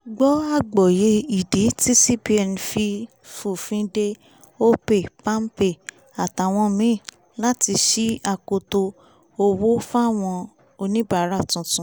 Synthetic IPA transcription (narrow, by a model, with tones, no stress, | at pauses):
ɡ͡bɔ˦a˦˨ɡ͡bɔ˨je˧˦i˨di˨˦ti˦si˦pi˦ɛ˨n˨fi˧ | fu˨fĩ˦de˦ | o˦pe˦˨pã˦m̩˦pe˦˨ | a˨ta˨w̃ɔ̃˧mĩ˦˨ | la˦ti˧ʃi˦a˧ko˧to˧ | o˧wo˦fa˦˨w̃ɔ̃˧ | o˧nĩ˦ba˦˨˦ɾa˦˨tũ˨˧˦tũ˧˦